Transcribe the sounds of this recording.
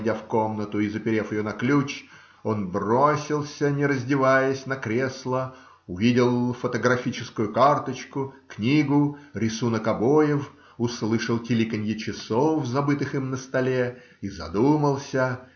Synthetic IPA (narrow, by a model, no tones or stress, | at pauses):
dʲafko̞mnət̪ʊizəpʲɪɾʲefɪjonɐklʲut͡ɕ | o̞nbrosʲɪlˠsʲənʲɪɾəzʲdʲɪvajəsʲnɐkɾʲeslˠə | ʊvʲidʲɪlˠfət̪əɡrɐfʲit͡ɕɪskʊjʊkart̪ət͡ɕkʊknʲiɡʊɾʲɪsunəkɐbojɪf | ʊslˠɨʂəlˠtʲɪlʲikənʲjɪt͡ɕɪsofzɐbɨt̪ɨxɨmnəst̪ɐlʲe | izɐ̰d̪uməlˠsʲə